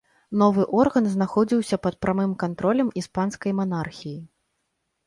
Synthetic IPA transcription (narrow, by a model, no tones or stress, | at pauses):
nɔvɨʔɔrɣɐnznaxɔd͡zʲiwsʲɐpɐt̪̚pɾamɨmkant̪ɾɔlʲɐmispanskɐjmanarxʲiji